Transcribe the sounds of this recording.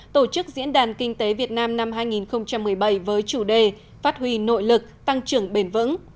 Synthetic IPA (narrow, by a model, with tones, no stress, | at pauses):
t̪o˧˩t͡ɕɨ˦˥k̚zḭ˧˥ənɗaː˨˩nkï˧ŋ̟t̪e˨˦vi˨˩ət̚naː˧mna˧mɦaː˧jŋi˨˩nxə˧wŋ͡mt͡ɕa˧mːɨ˨˩əjɓə˧˩jvəː˨˦jt͡ɕu˧˩ɗe˨˩ | faː˦˥t̚hwi˧no̰˧˨jlɨ˨˩k̚t̪a˧ŋt͡ɕɨ˨˧˩əŋɓe˧˩nvɨ̰˧˥ŋ